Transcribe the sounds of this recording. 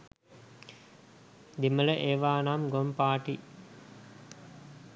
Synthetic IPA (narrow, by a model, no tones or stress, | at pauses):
d̪imələʔeːʋaːnamɡompaːʈi